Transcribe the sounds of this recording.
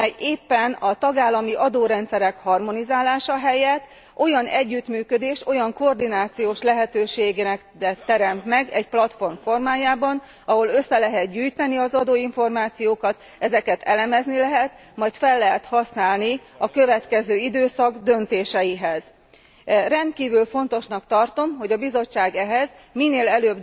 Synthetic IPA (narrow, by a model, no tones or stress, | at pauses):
ɛjeːpːɛnɒt̪ɒɡaːlːɒmiʔɒd̪oːɾɛnt̪sɛɾɛkhɒrmo̞nizaːlaːʃɒɦɛjɛt̪ː | ʔo̞jɒnʔɛɟːyt̪myːkø̞d̪eːʃt̪o̞jɒŋkord̪inaːt̪sijoːʃlɛɦɛt̪øːʃeːɡeːnɛk̪ | ɛt̪ːɛɾɛmt̪mɛɡɛɟplɒt̪fo̞rmfo̞rmaːjaːbɒn | ɒɦo̞lø̞sːɛlɛɦɛt̪̚ɟyːjt̪ɛniɒzɒd̪oːiɱfo̞rmaːt̪sijoːkɒt̪ | ɛzɛkɛt̪ɛlɛmɛznilɛɦɛt̪ | mɒjt̪fɛlːɛɦɛt̪hɒsnaːlni | ɒkøvɛt̪kɛzøːid̪øːsɒɡd̪ø̞nt̪eːʃɛjiɦɛz̥ | rɛnt̪̚kiːvylfo̞n̪t̪o̞ʃnɒkt̪ɒrt̪o̞mɦo̞ɟɒbizo̞t͡ʃːaːɡɛɦɛz | minːeːlɛløːb